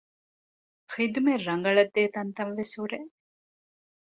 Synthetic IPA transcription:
xid̪umerːɐŋɡɐɭɐd̪ːeːt̪ɐnt̪ɐnʋesuɾe

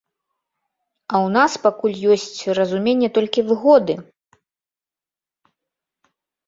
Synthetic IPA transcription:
ɐwnaspakulʲjɔsʲt͡sʲrɐzumʲenʲːɛt̪ɔlʲkʲivɨɣɔd̪ɨ

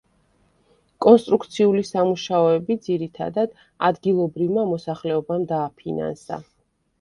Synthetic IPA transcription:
kʼɔnst̪ʼɾukt̪sʰiulisamuʃaɔɛbid̪ziɾit̪ʰa̰d̪ad̪ | a̰d̪ɡilˠɔbɾivmamɔsaχlɛɔbamd̪aːpʰina̰nsa̰

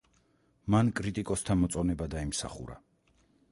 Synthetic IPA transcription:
mankʼɾit̪ʼikʼɔst̪ʰamɔt̪sʼɔnɛbad̪aimsa̰χṵɾa̰

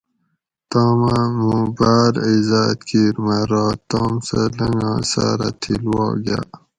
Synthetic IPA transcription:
t̪aːmamũːbaːɾizaːt̪kʰiːɾmɐɾɑːt̪aːmsalɐŋɡãːsaːɾat̪ʰilwɑːɡa̰ː

